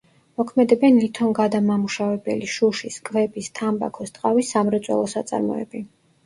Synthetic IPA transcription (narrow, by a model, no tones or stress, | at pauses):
mɔkʰmɛd̪ɛbɛnlit̪ʰɔnɡad̪amamuʃavɛbɛ̰liʃuʃiskʼvɛbist̪ʰamba̰kʰɔst̪ʼqʼavisːamɾɛt̪sʼwɛ̰lˠɔsat̪sʼa̰ɾmɔ̰ɛ̰bi